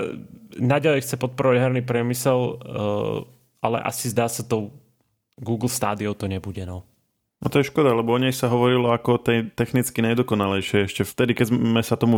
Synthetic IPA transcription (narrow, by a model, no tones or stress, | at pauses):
naɟalɛjxt͡sɛpɔt̪̚pɔɾɔʋaɟɦɛɾniːpɾɪɛmisɛl | ʔalɛ̰ʔa̰sizd̪aːsat̪ɔʊ | ɡuːɡl̩ˠst̪a̰ːd̪iɔʊt̪ɔɲɛbuɟɛnɔ | nɔt̪ɔjɛʃkɔd̪alɛbɔɔɲɛjsaɦɔʋɔɾilɔakɔɔt̪ɛjt̪ɛxnit͡skinajd̪ɔkɔnalɛjʃɛɛʃcɛft̪ɛd̪ikɛzmɛsat̪ɔmu